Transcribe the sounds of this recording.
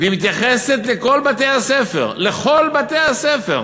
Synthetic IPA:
veimit̪jaχese̞t̪le̞ko̞lbat̪ejhasefe̞̰ʁleχo̞lbat̪e̞jhasefe̞̰ʁ

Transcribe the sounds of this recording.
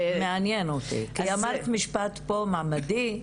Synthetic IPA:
meanjenot̪ḭʔkaamaʁt̪miʃpat̪pomamadi

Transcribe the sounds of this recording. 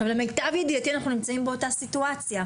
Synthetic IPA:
vleme̞jtavjediat̪ianaχnunimt͡saimbe̞o̞tasituat͡sja

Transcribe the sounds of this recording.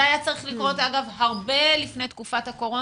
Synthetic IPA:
ajat͡saʁiχlikʁo̞taɡavhaʁbe̞lifnejt̪kufathako̞ʁo̞

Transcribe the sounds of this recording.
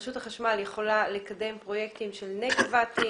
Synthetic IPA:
ʃutaχaʃmaljeχo̞lale̞kade̞mpʁo̞je̞kt̪imʃelnekvat̪i

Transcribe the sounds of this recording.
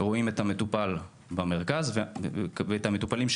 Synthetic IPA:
ʁo̞ime̞thame̞t̪upal | bame̞ʁkazvveethame̞t̪upalimʃ

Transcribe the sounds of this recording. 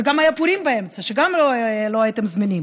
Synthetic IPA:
ɡamajapuɾimbɐemt͡saʃɛɡamloɛloajt̪emzmɛnim

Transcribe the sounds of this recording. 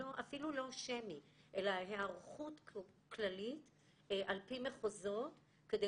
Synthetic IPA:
oʔafilulo̞ʃemiʔe̞laɦeaʁχutklalit | ʔalpimeχozo̞t | ked̪e

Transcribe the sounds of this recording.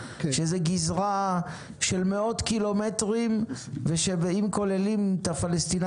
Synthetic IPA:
ʃezeɡizʁa | ʃe̞lmeo̞t̪kilometʁimveʃebeimko̞lelimt̪afalest̪in

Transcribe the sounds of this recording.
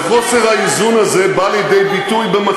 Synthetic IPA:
χoseʁaizunazebalid̪ejbit̪ujbema

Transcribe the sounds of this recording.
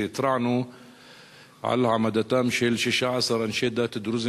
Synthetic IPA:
ɪt̪ɾˤɑʕnu | ʕa̰lhamad̪at̪amʃilʃiʃaʕasˤɑɾˤanʃeːd̪at̪ɪd̪ɾʊz

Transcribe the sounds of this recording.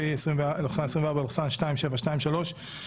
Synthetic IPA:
eesʁimvloχsanesʁimveaʁbaloχsanʃtaimʃevaʃtaimʃalo̞ʃ

